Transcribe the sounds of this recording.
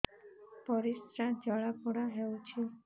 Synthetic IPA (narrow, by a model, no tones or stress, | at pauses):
pɔɾisɾad͡ʒɔɭapuɽaɦewt͡ʃʰi